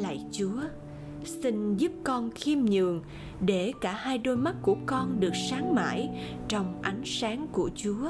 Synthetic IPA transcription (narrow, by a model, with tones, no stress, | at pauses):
la̰ː˧˨jt͡ɕu˨˦ə | sï˧ŋ̟zu˦˥p̚kɔ˧nxi˧əmɲɨ̰˧˨əŋ | ɗe˧˩kaː˧˩haː˧jɗo˧jma˦˥t̚ku˧˩əkɔ˧nɗɨ˨˩ək̚saː˨˦ŋma̰ː˧˩j | t͡ɕɔ˧wŋ͡mʔa˨˦jŋ̟saː˨˦ŋku˧˩ət͡ɕu˨˦ə